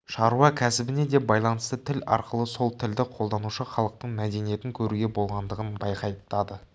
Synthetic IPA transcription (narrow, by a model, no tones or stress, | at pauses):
ʃɑɾuɑkʲʰæsɪbɪne̞d̪e̞bɑjlˠɑnəst̪ət̪ʰɪlɑ̰ɾqəlˠəso̞lˠt̪ʰɪld̪ɪqʰo̞lˠd̪ɑnuʃəχɑlˠəq̚t̪əɴmæd̪e̞nije̞t̪ɪŋkʲʰɵɾuɡʲebo̞lˠʁɑnd̪əʁənbɑjqɑjəp̚t̪ɑd̪ə